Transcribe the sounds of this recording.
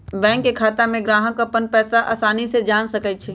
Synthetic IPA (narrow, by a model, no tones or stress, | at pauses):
bɛ̃ːkːekʰaːt̪amẽɡɾaːɦə̃kəpənpɛːsaʔa̰ːsaːnised͡ʒaːnsɐkət͡ʃʰɛː